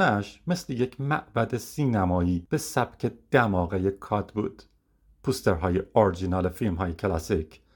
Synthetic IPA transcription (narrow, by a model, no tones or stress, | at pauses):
næʃme̞slejecʰmæʔbæd̪esiːnæmɒːiːb̥esæb̥cʰe̞d̪̥æmɒːɣejekʰɒːd̪bṵːd̪̥ | pʰust̪eɾɦɒːjeɒɾd͡ʒinɒːlefilmɦɒːjecʰlæsicʰ